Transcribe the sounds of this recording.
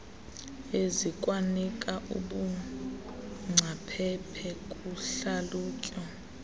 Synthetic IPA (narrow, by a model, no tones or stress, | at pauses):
ezikʼwanikʼaʔṵɓu | ŋ͡ǀʱapʰɛpʰɛkʼuɬaluːkʼɔ